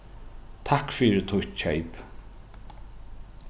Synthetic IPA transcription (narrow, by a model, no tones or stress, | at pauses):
t̪ʰakfiːɾɪt̪ʰʊt͡ʃʰɛjp